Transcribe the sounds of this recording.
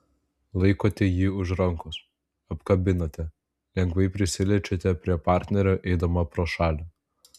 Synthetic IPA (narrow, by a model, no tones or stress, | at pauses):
lˠɐɪkoːt̪ʲɛjiːʊʃɾɐŋkʊs | ɐpkɐbʲɪnoːt̪ʲɛ | lʲɛŋɡʋɐɪpʲɾʲɪsʲɪlʲɛt͡ʃʲot̪ʲɛpʲɾʲiɛpɑˑɾʲt̪ʲnʲɛɾʲoːʔɛɪd̪omɐpɾoːʃɑːlʲo